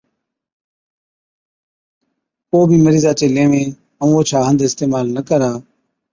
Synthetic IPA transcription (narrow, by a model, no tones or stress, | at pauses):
koːbʱiːməɾiːzaːt͡ʃeːleːʋẽː | əmoːt͡ʃʰaːɦə̃nd̪ʱɪst̪eːmaːlnəkəɾaː